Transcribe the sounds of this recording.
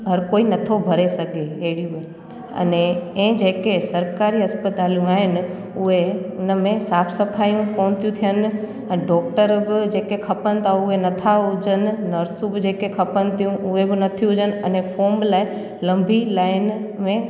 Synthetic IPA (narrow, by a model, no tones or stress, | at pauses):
ɦɐɾkoːinɐt̪ʰobʱɐɾesɐɡʱeeɦɪɽijũb | ɐ̰neẽːd͡ʒeːkesɐɾkaːɾiɐspət̪aːljũaːɦɪnɪ | ʊɦeʊnmẽsaːpʰsəpʰaːjũkoːnt̪jũt̪ʰijən | ə̃ɖɔːk̚ʈəɾbɪd͡ʒeːkekʰɐpənt̪ʰaʊɦenɐt̪ʰad͡ʒənɪ̆nəɾsũbɪd͡ʒeːkekʰɐpənt̪ʰijũʔʊɦebɪnɐt̪ʰijũd͡ʒən̆ɐnepʰoːmlaːɪ | lɐ̃mbʱilaːɪnmẽ